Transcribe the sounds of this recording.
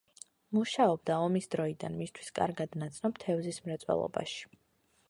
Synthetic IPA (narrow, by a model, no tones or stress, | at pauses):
muʃaɔb̚d̪aɔmisd̪ɾɔid̪a̰nmist̪ʰwi̥skʼa̰ɾɡad̪nat̪sʰnɔb̚t̪ʰɛvzismɾɛt̪sʼwɛ̰lˠɔ̰ba̰ʃi̥